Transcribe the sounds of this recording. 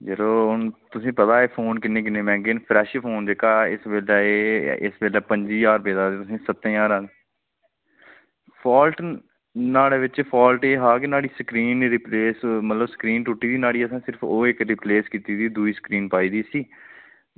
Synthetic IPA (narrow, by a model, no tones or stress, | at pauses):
d͡ʒəɾoːʊnt̪ʊsĩːpət̪aːeːpʰoːnkɪnːẽːk̬ɪnːeːmɛ̃ːŋɡeːnpʰɾɛːʃepʰoːnd͡ʒekaːɪ̰sʋeːlaːeːɪ̰sbeːlɛːpəɲd͡ʒiːjaːɾpeːd̪aːd̪eːt̪ʊsĩːsət̪ːẽaːɾãːne | pʰaːlʈ | naːɽeːʋɪt͡ʃpʰaːlʈeːɦaːkenaːɽiːsəkɾiːnɾɪpleːsmət̪ləbsə̥kɾiːnʈʊʈːiːd̪iːnaːɽiːəsãːsɪɾpʰoːɪkɾɪpleːskiːt̪iːd̪iːd̪uiːsə̥kɾiːnpaːiːd̪iːsiː